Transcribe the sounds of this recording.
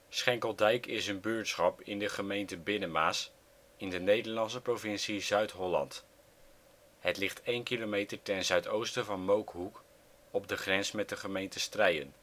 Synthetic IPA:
sχɛŋkəlˠdɛjkɪsənbyːɹtsχɑpɪndəχəmejntəbɪnəmaːs | ɪndənejdəɹlɑnsəprovɪnsizœɥtɦɔlɑ̰nt | ɦətlɪχtejnkilomejtəɹtɛnzœɥtowstəvɑnmowkɦuk | ɔb̚dəχrɛnsmɛt̚dəχəmejntəstrɛjə̰n

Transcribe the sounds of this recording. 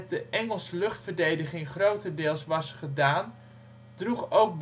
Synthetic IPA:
dəʔɛŋəlˠsəlɵχtfərdejdəχɪŋχrowtəndɪːlˠsʋɑsχədaːn | d̥ruχowk̚b

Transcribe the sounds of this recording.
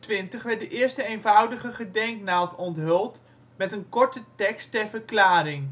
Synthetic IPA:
tʋɪntəχʋɛɹt̚dəʔɪːɹstəejnvʌwdəχəχədɛŋknaːtɔntɦɵlˠt | mɛtənkɔɹtətɛkstɛɹvəɹklaːɾɪŋ

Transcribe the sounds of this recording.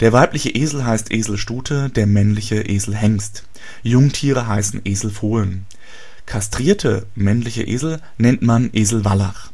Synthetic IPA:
d̥eːɐvaɪplɪçəʔeːzl̩ɦaɪstʔeːzl̩ʃtuːtʰədeːɐmɛnlɪçəʔeːzl̩ɦɛŋst | jʊŋtʰiːʁ̞əɦaɪsn̩ʔeːzl̩foːlən | kʰastʁ̥iːɐtʰəmɛnlɪçə̰ʔḛːzl̩ | nɛntmanʔeːzl̩valaχ

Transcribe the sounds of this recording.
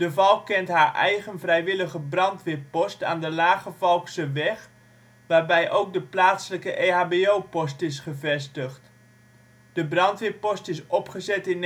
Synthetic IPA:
d̥əvɑlˠkːɛntɦaːɹʔɛ̰jɣənvrɛjʋɪləɣəbrɑntʋɪpɔsta̰ːndəlaːχəvɑlˠksəʋɛχ | ʋaːɹbɛjʔowk̚dəplaːtsələkəʔeaːbeowpɔstɪsχəvɛstəχt | d̥əbrɑntʋɪpɔstɪsɔpχəzɛtɪn

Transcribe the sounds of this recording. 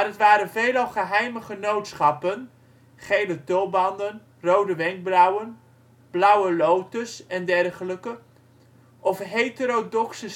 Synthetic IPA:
marətʋaːɾənvejlɑlˠχəɦɛjməχənowtsχɑpən | χejlətɔlˠbɑndən | rowdəʋɛŋɡ̚brɔwən | b̥lʌwəlowtəsɛndɛrχələkə | ʔɔfɦejtəɾodɔksə

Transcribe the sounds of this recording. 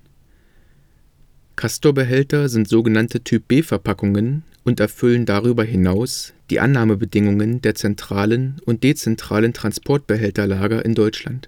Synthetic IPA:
kʰastobəɦɛltɐzɪntz̥oːɡənantətʰyːp̚b̥eːfɛɐpʰakʊŋən | ʔʊntɛɐfʏləndaʁ̞yːbɐɦɪnaʊsd̥iːʔa̰nːaːməbədɪŋʊŋəndeːɐt͡sɛntʁ̥aːlənʊnt̚d̥eːt͡sɛntʁ̥aːləntʁ̥anspʰɔɐt̚b̥əɦɛltɐlaːɡɐʔɪndɔʏt͡ʃla̰nt

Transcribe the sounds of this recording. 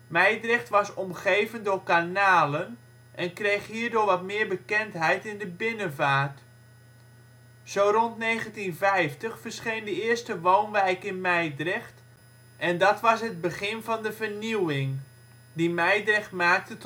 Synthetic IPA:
mɛjdrɪxtʋɑsɔmχejvəndʊrkanaːlən | ʔɛnkrejχɦiːɹdʊːɹʋɑtmɪːɹbəkɛntɦɛjtɪndəbɪnənvaːrt | z̥owrɔntnejɣəntinvɛjftəχfərsχejndəɪərstəʋoːnʋɛjkɪnmɛjdrɪxt | ʔɛndɑtʋɑsɦəd̚bəχɪnvɑndəvərniwɪŋ | dimɛjdrɪxtmaːk̚tət

